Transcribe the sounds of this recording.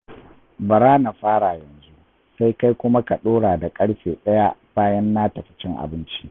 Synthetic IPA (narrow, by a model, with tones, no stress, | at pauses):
bɐ˨ɾaː˦na˨ɸaː˦ɽaː˨jɐ˨nzu˦ | sa˦jka˦jkʷʊ˦ma˦ka˨ɗoː˦ɽaː˨da˨kʼɐ˦ɽɸeː˨ɗɐ˦ja˦baː˦jɐ˦nːaː˦tɐ˨ɸɪ̥˨t͡ʃɪ˦ŋʔa̰˨bɪ˦nt͡ʃi˦